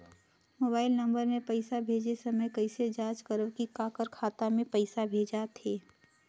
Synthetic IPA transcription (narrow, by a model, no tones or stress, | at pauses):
moːbaːɪlnɐ̃mbəɾmẽpɐɪsabʱeːd͡ʒesɐməjkɐɪsed͡ʒaːt͡ʃkəɾəʋkikaːkəɾkʰaːt̪amẽpəɪsabʱeːd͡ʒat̪ʰeː